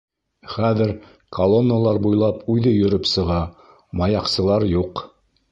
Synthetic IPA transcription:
χæðɘɾ | kʰɐlˠonːəlˠɑɾbujlˠɑpʉðɘjɵ̆ɾɘpsɤ̆ʁɑ | mɑjɑqsɤ̆lˠɑɾjuq

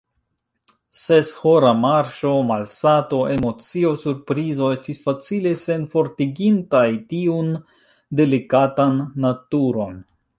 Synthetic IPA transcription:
se̞sho̞ɾamaɾʃo̞malsato̞ʔe̞mo̞t͡sio̞suɾpɾizo̞e̞stisfat͡sile̞se̞nfo̞ɾtiɡintajtiun | de̞likatanːatuɾo̞n

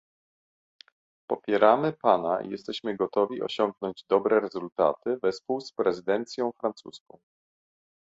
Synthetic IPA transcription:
pɔpʲjɛɾamɘpanaḭjɛst̪ɛɕmɘɡɔt̪ɔvʲiʔɔ̰ɕɔŋɡ̚nɔɲd͡ʑd̪ɔbɾɛɾɛzult̪a̰t̪ɘvɛspuwspɾɛzɘd̪ɛnt̪sʲjɔ̃w̃fɾant̪suskɔ̰̃w̃

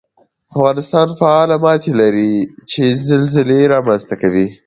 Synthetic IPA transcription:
afɣɑnɪst̪ɑnfaɑlamɑt̪elaɾit͡ʃezɪlzɪleɾɑmanzt̪akawi

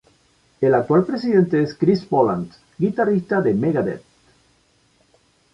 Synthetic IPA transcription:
elak̚t̪walpɾes̬iðẽnt̪eeskɾispolant̪ | ɡit̪arist̪aðemeɣaðḛt̪

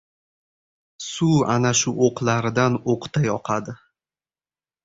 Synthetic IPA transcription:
sua̰naʃʊʔoqʰlˠaɾɪd̪anoqt̪ʰajɒqʰɑd̪ɪ

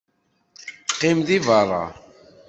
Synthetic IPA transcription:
qːimðivɑrˤːɑ̰

